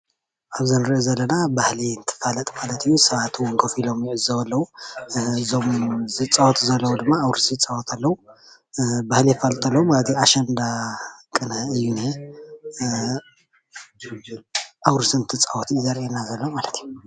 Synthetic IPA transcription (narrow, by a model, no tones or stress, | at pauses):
ʔaβzɨnɾiʔozɐlːɐnabahlint̪ʰɨ̥falɐt̪ʼmalɐt̪ʰɨjːusɐβat̪ʰuwɔŋkʰɐfilo̞mjʕɨzːɐwɐlːɐwu | zomzɨt͡sʼawɔt̪ʰzɐlːɐwud̪ɨmːaːwɾɨsɨt͡sʼawɔt̪ʰalːɐwu | bahliɨfalt̪ʼalːɐwumalɐt̪ʰiaʃɐnd̪akʼɨnaɨjːunhe | ʔawɾɨsɨnt̪ʰɨt͡sʼawɔt̪ʰijzɐɾʔenazɐlːomalɐt̪ʰiju